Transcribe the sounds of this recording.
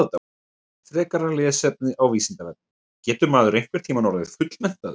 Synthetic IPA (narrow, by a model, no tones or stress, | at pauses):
t̪a | t̪ʰɾɛːkaɾalɛːsɛp̚nɪʔawviːsɪnt̪avɛp̚nɪ | cɛːt̪ʏɾmaːðʏɾejŋ̥kvɛɾ̥t̪ʰiːmanɔɾavɪ̥fʏt̪l̥mɛht̪að